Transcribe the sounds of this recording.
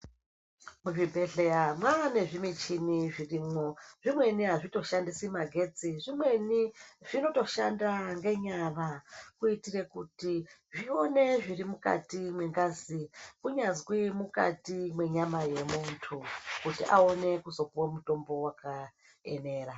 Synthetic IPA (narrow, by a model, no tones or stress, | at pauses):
muʐibʱe̞ɮe̞jamwane̞ʐimit͡ʃiniʐirimoʐ̥imwe̞niɦaʐito̞ʃandisimaɡʱe̞d͡ziʐimwe̞niʐ̥ino̞to̞ʃandaŋɡe̞ɲaʋakuitire̞kutiʐio̞ne̞ʐirimuka̰timwe̞ŋɡazikuɲazwimuka̰timwe̞ɲamaje̞muntʰukutiʔao̞ne̞kuzo̞kuwamuto̞mbo̞waka | ḛne̞ːra